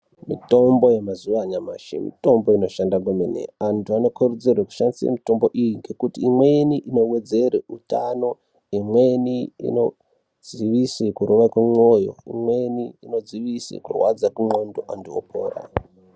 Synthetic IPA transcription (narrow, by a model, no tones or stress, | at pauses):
mito̞mbo̞jemazuʋaɲamaʃḛmḭto̞mbo̞ino̞ʃandak̬emenḛantʰuano̞kʰored͡zerweku̥ʃandisḛmito̞mbo̞ʔijiŋɡe̞kutiimweniʔino̞wed͡zereutano̞ | imweniḭno̞ | d͡z̥iʋisikuɾoʋakwemo̞jo̞̰ḭmweniino̞d͡ziʋisḭkurwad͡zakumondoʔandio̰pʰo̰ːra̰